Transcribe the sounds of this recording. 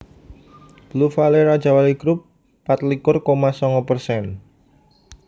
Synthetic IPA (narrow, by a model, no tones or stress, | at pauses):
b̥lufaleɾad̥d͡ʒawaliɡ̥ɾʊpː | at̪likʊrkomasɔŋɔpərsɛn